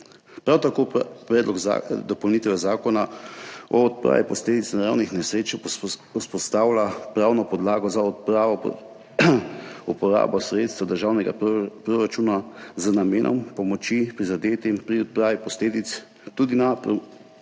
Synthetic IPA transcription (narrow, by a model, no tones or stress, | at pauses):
pɾawt̪akoːpɾɛːd̪lɔɡa̰d̪ɔpɔwnit̪ɛwɛzaːkɔna | ɔɔt̪̚pɾa̰ːʋipɔsleːd̪it̪snaɾawnixnɛsɾeːt͡ʃuspɔst̪aːwlapɾawnɔpɔd̪laːɡɔzaɔt̪pɾaːʋɔ | upɔɾa̰ːbɔsɾeːt̪st̪ʋad̪əɾʒaːwnɛɡa̰pɾoɾat͡ʃuːnazənameːnʔɔ̰mpɔmɔt͡ʃipɾizad̪eːt̪impɾiɔt̪̚pɾaːʋipɔsleːd̪it̪s | t̪uːd̪inapɾ